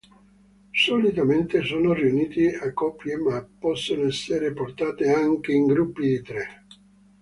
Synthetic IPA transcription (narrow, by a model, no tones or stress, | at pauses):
solit̪ament̪esoːnoriuniːt̪iakːɔpːjemapːɔsːonoɛsːeɾeport̪aːt̪eaŋk̟eiŋɡɾupːid̪it̪ɾe